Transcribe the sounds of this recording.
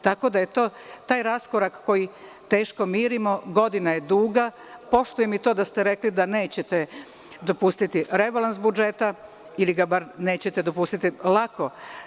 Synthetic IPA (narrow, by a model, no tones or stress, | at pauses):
t̪ako̞d̪aje̞t̪o̞ːt̪aːjɾasko̞ɾakko̞ji | t̪e̞ːʃko̞miːɾimo̞ɡo̞d̪inajed̪uːɡa | po̞ʃt̪ujemit̪o̞ːd̪ast̪e̞ɾe̞klid̪ane̞ːt͡ɕet̪e | d̪o̞pust̪it̪iɾebalˠansbud͡ʒe̞t̪a | iliɡabaɾne̞ːt͡ɕet̪ed̪o̞pust̪it̪ilˠako̞